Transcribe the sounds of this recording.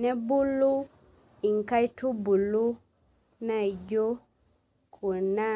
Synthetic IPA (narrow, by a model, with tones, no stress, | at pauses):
nɛ˦bu˦lːu˦ | i˨ŋ˨ka˦jtu˦bu˨lːu˦ | na˨jd͡ʒo˦ | kʰu˨na˦